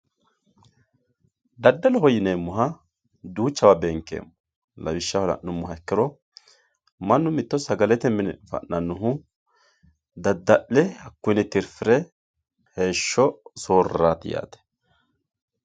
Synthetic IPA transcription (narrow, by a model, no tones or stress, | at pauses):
d̪ɐd̪ːɐlɔhɔjɪneːmːʊɦɐ | d̪uːt͡ʃːɐbɐbɛŋkːḛːmːʊ̥ | lɐ̰wɪʃːɐhɔlɐ̰ʔnʊmːʊhɐɛkːɪɾɔ | mɐnːʊmɪt̪ːɔsɐɡɐlɛt̪ɛmɪnɛ̰fɐ̰ʔːɐnːʊɦʊ | d̪ɐd̪ːɐʔlɛhɐkːʊjnɛt̪ɪɾfɪɾɛ | he̞ːʃːɔsoːraːt̪ɪja̰ːt̪ɛ̥